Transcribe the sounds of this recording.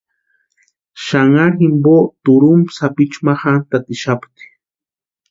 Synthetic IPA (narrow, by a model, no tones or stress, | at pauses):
ʃaŋaximbot̪uɾumsapit͡ʃmaxant̪at̪iʃapt̪i̥